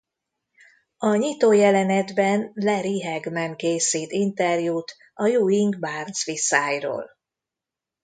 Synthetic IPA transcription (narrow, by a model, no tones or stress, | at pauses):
ɒɲit̪oːjɛlɛnɛd̪bɛnlɛɾiɦɛɡmɛŋkeːsiːt̪int̪ɛrjuːt̪ | ɒjuːiŋɡbaːrnsʋisaːjro̰ːl